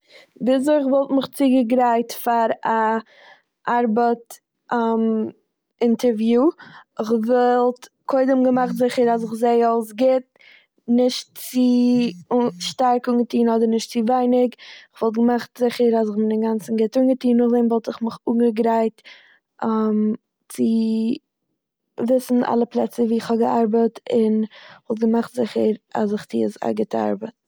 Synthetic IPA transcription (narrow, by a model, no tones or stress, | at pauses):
bɪs̬əɪχvɔlˠtmɪχt͡siɡəɡɾaɪtfaɾa | ʔaɾbət | ʔam | ɪntʰəɾvjuːɪχvɛlˠt | kʰoɪdəmɡəmaχtzɪχəɾas̬ɪχzeɪalˠs̬ɡɪt̚ | nɪʃt̚t͡sɪ | ʃtaɾkʊŋɡətiːnɔdəɾnɪʃtt͡sɪvaɪnɪkɪχvɔlˠt̬̚ɡəmaχtzɪχəɾazɪχmɪnɪnɡant͡sn̩ɡɪtʊŋɡətiːnːʊχdɛmvɔlˠtɪχmɪχuːŋɡəɡɾaɪt | am | t͡sɪ | vɪsn̩ʔa̰lˠəplˠɛt͡səviːɪχhɔbɡəaɾbətɪnvɔlˠt̚ɡəmaχtz̥ɪχəɾa̰zɪχt͡sḭːsa̰ɡɪtəa̰ɾbət̚